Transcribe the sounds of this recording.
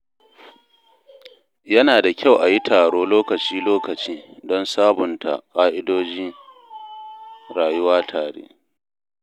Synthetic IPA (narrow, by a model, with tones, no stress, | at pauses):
jɐ˦naː˨da˨kʲa˦˨wʔa˨ji˦tʰaː˨ɽoː˦loː˦kɐ˨t͡ʃiː˦loː˦kɐ˨t͡ʃiː˦dɔ˦nsaː˦bʊ˨ntʰa̰˨kʼaː˦ʔɪ˦doː˦d͡ʒiː˦ | ɽaː˨jʊ˦waː˦tʰaː˨ɽḛː˦